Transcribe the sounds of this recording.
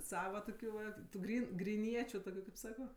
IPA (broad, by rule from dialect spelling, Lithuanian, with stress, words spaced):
ˈsɑːʋɐ toːˈkʲuː ʋɐt tʊ ˈɡrʲiːn ɡrʲɪˈnʲiɛt͡ʃʲʊ ˈtoːkʲʊ kɐɪp ˈsɑːkoː